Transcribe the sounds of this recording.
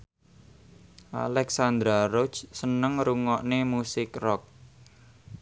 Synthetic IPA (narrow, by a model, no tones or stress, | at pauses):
ʔa̰lɛksand̪ɾaɾot͡ʃsənəŋɾuŋɔʔnemusɪkrɔk̚